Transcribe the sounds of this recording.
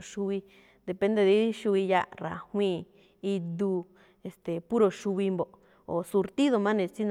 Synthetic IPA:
ʃu˧βi˧ | d̪e˨pẽ˧˦nd̪e˧ði˧˦ʃu˧βi˧ja̰˦˧ɾa̰˨hwĩ˦ | i˧d̪u˧ | e˨st̪e˨pu˦ɾo˧ʃu˧βi˧mbo˨ | o̰˨su˧ɾt̪i˦ðo˧mã˦nẽ˧t͡si˦n

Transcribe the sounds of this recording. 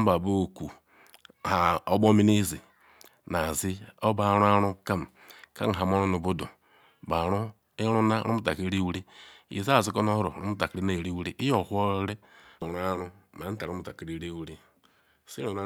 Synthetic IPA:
ba˨bo˦˨ku˨ | ha˨o˦bo˦mi˦ni˦zi˨ | na˨zi˦o˦ba˦˨˦ɾu˦a˦ɾu˦ka˦m˨ | ka̰˦ŋ̩˨ɦa˨m˦o˦ɾu˦nu˨bo˦dṵ˨ | ba˨ɾu˦ | i˦ɾu˦na˦ɾṵ˦mu˦ta˨ki˦ɾi˦wɾi˦ḭ˨za˦˨zi˦ko˦no˦hɾo̰˨ɾu˦mu˦ta˨kɾi˦na˦˨ɾi˦wu˦ɾi˦ʔi˦jo˨hu˦o˦ɾe˦˨ | ɾu˦a˦ɾu˦ | m˨a˨˦ta˨ɾu˦mu˨ta˨ki˨ɾi˦ɾi˦wu˦ɾi˦ | si˦ɾu˨na˦

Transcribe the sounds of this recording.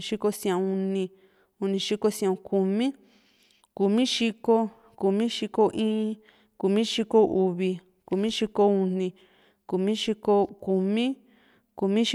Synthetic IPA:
ʃi˧ko˧sã˨˧u˧nĩ˧ | u˧nĩ˧ʃi˦ko˧sj̃ã˨˧ku˧mĩ˦ | ku˨mĩ˦ʃi˧ko˦ | ku˧mĩ˦ʃi˧ko˧ʔĩː˦˧ | ku˨mĩ˦ʃi˧ko˧ʔu˧βi˧ | ku˨mĩ˦ʃi˧ko˧u˧nĩ˧ | ku˨mĩ˦ʃi˧ko˧ku˧mĩ˦ | ku˧mĩ˦ʃ

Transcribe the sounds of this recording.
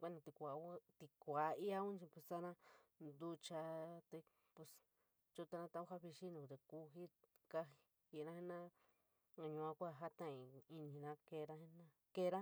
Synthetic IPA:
kʷe˦nã˧t̪i˧kʷa˨˦t̪i˧kʷa˨˦i˦a˦ũ˦t͡ʃĩ˧pu˧˨ssa˦nã˦nd̪u˧˦t͡ʃa˧t̪e˧ | pu˧s | t͡ʃu˦t̪a˧nã˦t̪ã˧˦ũ˦ha˦βi˧ʃi˦nũ˨t̪e˧ku˧ɦi˦ka˧i˧ | i˧˨nã˦e˦nã˦ | a˧ɲũ˧ã˧kʷa˦˨ɦa˦t̪ã˦˨ĩ˨˧i˧nĩ˨nã˦ke˧ɾã˦he˦nã˦ | ke˦ɾã˦

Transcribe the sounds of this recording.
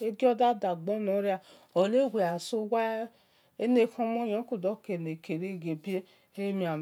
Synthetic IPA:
e˦ɡi˦ɔ˦da˦da˨ɡ͡bɔ˦nɔ̃˨˦ɾi˦a˧˨ | ɔ˨le˦ɡʷe˨a˨so˧˦wa˦ | e˦ne˦kɔ̃˧mɔ̃˦jã˨˦ku˨dɔ˦ke˨ne˨ke˨ɾe˦˨ɡe˨bi˦e˦ | e˦mĩ˧a˨

